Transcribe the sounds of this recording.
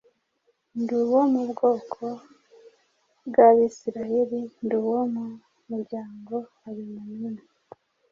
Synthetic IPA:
nduwo̞mubɡo̞ːkʰo̞ | bɡaβiːsiɾajeɾinduwomu | muɾɟaːŋɡo̞ | aβimunina

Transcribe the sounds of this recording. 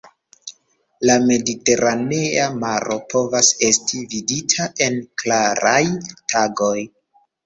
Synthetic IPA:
lame̞dite̞ɾʔane̞amaɾʔo̞po̞vase̞stividitʰaʔe̞nklaɾajtʰaɡo̞j

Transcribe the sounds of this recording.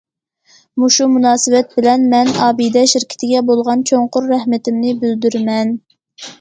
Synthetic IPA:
muʃumunɑːsɨvɛt̪̚bɪlɛnmɛnɑːbid̪ɛʃɪɾkʲʰɪ̥t̪ɪɡʲɛbolˠʁɑnt͡ʃʰoɴqʊɾːɛhmɪt̪ɪmnɪbyld̪yɾmɛn

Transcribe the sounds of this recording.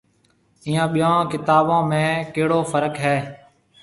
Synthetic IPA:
iːãːɓɪjãːkɪt̪aːbãːmẽːkeːɽoːfəɾəkɦɛː

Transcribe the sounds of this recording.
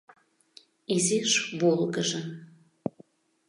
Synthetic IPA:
iziʃβolɡəʒə

